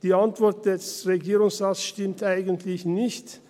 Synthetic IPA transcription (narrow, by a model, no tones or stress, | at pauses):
d̥iːantv̥ɔʁt̚d̥ɛsʁeɡiːʁʊŋsʁaːsʃtɪmtʔaɪɡəntʰlɪçnɪçt